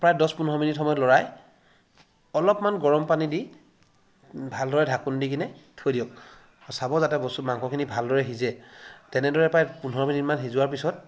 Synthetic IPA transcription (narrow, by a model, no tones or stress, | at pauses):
pɹajdɔspunɔɔminitxɔmɔjɔtlɔɹaj | ɔlɔpmanɡɔɹɔmpanidi | bʱaldɔɹɛdʱakundik̬inɛtʰojdijɔk̚ | ɔsabɔzatɛbɔsmaŋkʰɔkʰinibʱaldɔɹɛɦizɛtɛnɛdɔɹɛpɹajpunɦɔɹɔminitmanɦizʊwaɹpisɔt̚